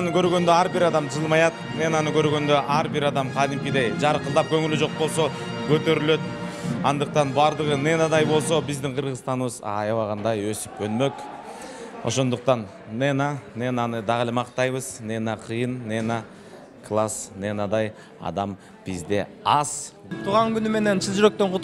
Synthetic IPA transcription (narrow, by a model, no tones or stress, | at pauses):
ɑnɯkʰø̞ɾɡø̞nd̪øɑɾbɪɾɑd̪ɑmʰʒəlˠmɑjɑt̪ | nenanɯkʰø̞ɾɡø̞nd̪ø̞ʔɑɾbiɾɑd̪ɑmqʰɑd̪ɪmkʲid̪ejd͡ʒɑɾqəlˠd̪ɑp̚kʰø̞ŋylyʒd͡ʒo̞q̚bo̞lˠso̞ | kʰøt̪ø̞ɾylø̞t̪ɑnd̪əq̚t̪ɑnbɑɾd̪əʁənenad̪ɑjbo̞lˠso̞bɪzd̪ɪŋqʰəɾʁəst̪ɑnβɯzɑ̰jɑwɑʁɑnd̪ɑjøsy̥pønmø̞k | o̞̰ʃo̞nd̪uq̚t̪ɑnː | enanenɑnɯd̪ɑʁəlˠemɑqt̪ɑjβɯz̥nenaqʰɯjɯnːena | klˠasnenad̪ɑj | ɑ̰d̪ɑm | b̥izd̪e̞ | ɑz̥ | t̪ʰuʁɑŋkynyme̞ne̞nsizd͡ʒyɾø̞k̚t̪øɴqʰʊ